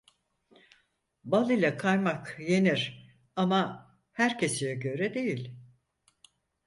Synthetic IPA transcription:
balˠilʲɛkʰajmakje̞niɾ̥ | ama | hæɾcʰe̞sijɛɟø̞ɾɛd̪e̞jilʲ

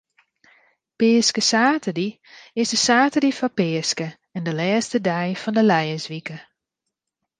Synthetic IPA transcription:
pɪəskəsaːtədi | ɪsdəsaːtədifɔpɪəskə | ɛndəlɛːstədɛjfɔndəlɛjəzʋikə

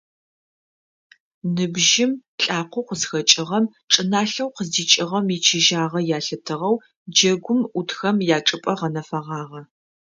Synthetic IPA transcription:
nɨbʒɪmɬʼaːqʷʊqʷəzxɐt͡ʃʼɪʁɐm | ʈ͡ʂʼɨnaːɬɐwqəziːt͡ʃʼɪʁɐmit͡ʃʰɪʒaːʁɐjaːɬɨtʰɨʁɐw | d͡ʒɐɡʷʊmutxɐmjaːʈ͡ʂʼɨpʼɐʁɐnɐfɐʁɑːʁɐ

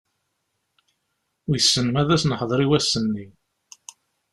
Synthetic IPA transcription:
jəsːənmæðæsnəħðˤɾˤiwæsːənːi

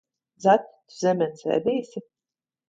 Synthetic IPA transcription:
zat̪ʲt̪zɛmʲɛnsɛ̰ːd̪iːsʲi

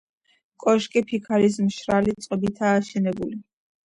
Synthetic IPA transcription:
kʼɔʃkʼipʰikʰaɾis̬mʃɾalit̪sʼqʼɔbit̪ʰaːʃɛnɛbuli

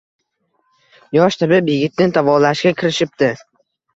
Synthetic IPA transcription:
jɒʃt̪ʰɪbɪbjɪɡʲɪt̪̚nɪt̪ʰavɒlaʃɡʲakʲʰɪɾɪʃɪp̚t̪ɪ

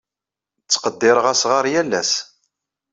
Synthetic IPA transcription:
t͡sːqəd̪ːɪɾəʁæsʁəɾˤjælːæs

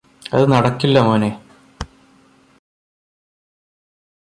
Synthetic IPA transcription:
ɐðɨnɐɽɐkːilːɐmoːne

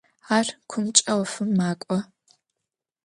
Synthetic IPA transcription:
aːrkʷʰʊmt͡ʃʼɐwfɨmːaːkʷʼɔ

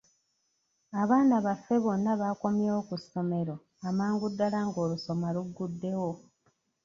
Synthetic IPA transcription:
aβaːnaβafːe̞βo̞nːaβako̞mjeokusːo̞me̞ɾo̞ | amaːŋɡudːalaŋɡo̞ːluso̞maluɡːudːe̞wo̞

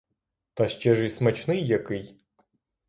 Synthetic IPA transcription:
t̪ɐʃʲt͡ʃɛʐismɐt͡ʃnɪjːɐkɪj

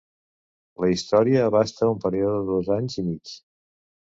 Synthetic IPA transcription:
ləist̪ɔɾiəːβast̪əumpəɾioðəðozaɲzimit͡s

